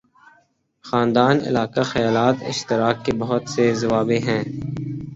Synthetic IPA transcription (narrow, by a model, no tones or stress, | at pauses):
xaːnd̪aːnɪ̰laːkaxɐjaːlaːt̪ɪ̰ʃt̪ɪɾaːkːebɐɦʊt̪sezɐʋaːbeɦɛ̃ː